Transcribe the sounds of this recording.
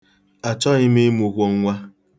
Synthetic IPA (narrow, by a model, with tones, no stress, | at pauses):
a˨t͡ʃɔ˦ɣɪ˦me˦mu˨kʷo˦ŋ̩˦ŋʷa˦